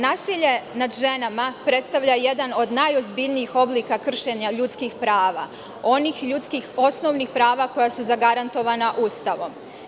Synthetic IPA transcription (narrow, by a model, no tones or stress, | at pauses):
naːsiʎe̞nad̪ʒe̞namapɾe̞t̪st̪aʋʎaje̞d̪ano̞d̪najo̞zbiʎniixo̞bliːkakr̩ʃe̞ɲaʎut̪skixpɾaːʋa̰ | o̞nixʎut̪skixo̞sno̞ʋnixpɾaːʋako̞jasuzaɡaɾant̪o̞ʋaːnaʔuːst̪aʋo̞m